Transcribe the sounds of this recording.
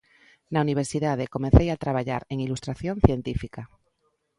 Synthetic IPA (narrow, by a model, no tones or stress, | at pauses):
nauniβ̞e̞ɾsiðað̞eko̞menθejat̪ɾaβaʎa̰ɾe̞ŋilust̪ɾaθjõn̟θje̞nt̪ifika